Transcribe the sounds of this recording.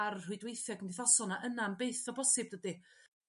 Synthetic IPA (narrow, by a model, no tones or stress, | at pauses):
arrʊɨdwejθɛɡəndiθɔsɔnaʔənambejθɔbɔsɨb̚dədi